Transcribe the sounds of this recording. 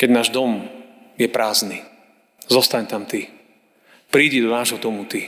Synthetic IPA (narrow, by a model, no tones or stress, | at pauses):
kɛɟnaːʒd̪ɔm | jɛpɾaːzni | zɔst̪aɲt̪amt̪i | pɾiːɟid̪ɔnaːʒɦɔd̪ɔmut̪i